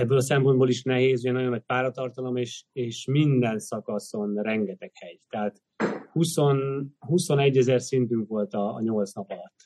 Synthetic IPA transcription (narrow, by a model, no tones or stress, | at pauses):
ɛbːøːlɒsɛmpo̞nd̪boːliʃnɛɦeːzuɟɛnɒjo̞nːɒc̚paːɾɒt̪ɒrt̪ɒlo̞meːʃeːʃmind̪ɛnsɒkɒso̞nrɛŋɡɛt̪ɛkhɛɟt̪ɛɦaːt̪ | husonhuso̞nɛɟːɛzɛrsint̪yŋkʋo̞lt̪ɒ̰ːɲo̞lt̪snɒpɒlɒt̪ː